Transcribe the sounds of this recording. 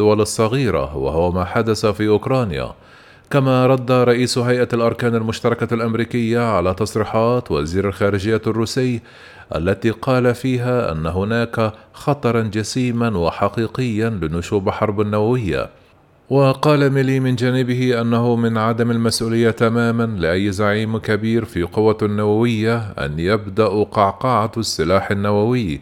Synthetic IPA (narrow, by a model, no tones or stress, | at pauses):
ʊwalɑsˤːɑɣiːɾa̰wa̰hʊwamaːħad̪asafiːʔʊkɾˤɑːnja̰ | kamaɾˤɑd̪ːaɾˤɑʔiːsɦajʔalʔɑɾˤkaːnalmʊʃt̪ɑɾˤɑkalʔamɾiːkɪjːaʕalaːt̪ɑsˤɾiːħɑːt̪wa̰ziːɾalxaːɾɪd͡ʒɪjːarːuːsɪjː | ʔa̰lːat̪iːqɑːlafiːɦaːʔa̰nːaɦʊnaːkaxɑt̪ˤɑɾˤɑnd͡ʒasiːmanwɪħɑqiːqɪjːanlɪnʊʃuːbħɑɾˤbanːawawɪjːa̰ | wɑqɑːlamɪliːmɪnd͡ʒaːnɪbɪhɪʔanːaɦʊmɪnʕad̪amalmasʔuːlɪjːat̪amaːmanlɪʔajːzaʕiːmkabiːɾfiqʊwanːawawɪjːaʔa̰njabd̪aʔqɑʕqɑʕasːɪlaːħanːawawɪjː